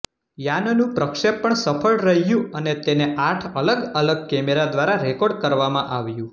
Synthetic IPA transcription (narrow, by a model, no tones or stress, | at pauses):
jannũpɾəkʃepːəɳsəfʰəɭɾəɦjũənet̪eneʔaʈʰələɡələɡ̚kɛmeɾad̪ʋaɾaɾɛkoɖkəɾʋamãʔaʋjũ